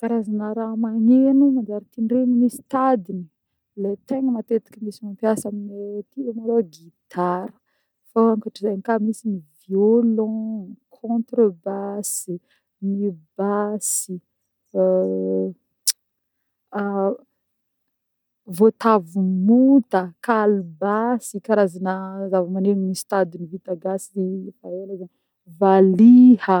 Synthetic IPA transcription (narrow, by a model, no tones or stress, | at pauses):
kaɾazanaɾamaɲenumand̪aɾit̪inɖ͡ʐenimisi̥t̪ad̪ini | let̪eŋəmat̪et̪ḁkʲəmisimampjasaminet̪iomaloɡit̪ʰaɾə̥ | faaŋkaʈ͡ʂizajnikamisiniviolɔ̃kʰɔ̃nt̪ɾobasi | nibasi | vot̪avumut̪əkalbasikaɾazanəzavəmaneminist̪ad̪inivit̪aɡasifaelaza | valiə